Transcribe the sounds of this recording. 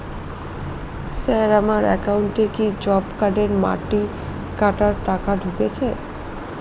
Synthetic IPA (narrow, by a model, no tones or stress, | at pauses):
sɛɾamaɾɛkauɳʈekid͡ʑɔbkaɖeɾma̰ʈi | kaʈaɾʈakaɖʱuket͡ɕʰe